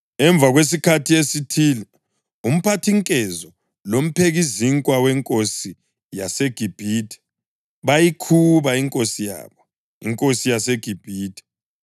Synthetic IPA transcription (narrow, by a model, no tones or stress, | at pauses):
ɛɱbvʱaɣwes̬ikʰatʰiesitʰiːlɛ | um̩pʰatʰiŋkʼɛzɔ | lom̩pʰeɣiziŋkʼwawɛŋkʼosi | jaseɡ̥ʱib̥ʱiːtʰʼɛ̥ | βajikʰuβaiŋkʼosija̰βɔ | ḭŋkʼosijaseɡ̥ʱib̥ʱiːtʰʼɛ̥